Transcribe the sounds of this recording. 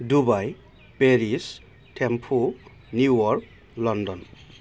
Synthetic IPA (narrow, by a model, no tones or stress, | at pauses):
dubaj | peɹis | tʰempʰo | njuwɔɹk̚ | lɔndɔn